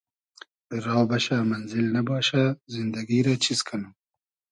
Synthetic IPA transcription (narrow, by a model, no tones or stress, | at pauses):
ɾɑːbaɕamanzɪlnabɑːɕazind̪aɡiɾat͡ɕʰiskʰanu